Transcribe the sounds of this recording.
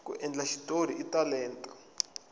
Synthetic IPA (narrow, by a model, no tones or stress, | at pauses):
kṵʔɛnd͡ɮaʃi̥toɾiitalɛːntʼḁ